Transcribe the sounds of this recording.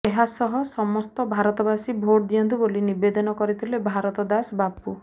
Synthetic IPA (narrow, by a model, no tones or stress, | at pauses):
eɦasɔɦɔsɔmɔst̪ɔbʱaɾɔt̪ɔbasibʱoɽd̪ijɔnt̪ubolinibed̪ɔnɔkɔɾit̪ʰilebʱaɾɔt̪ɔd̪asbapu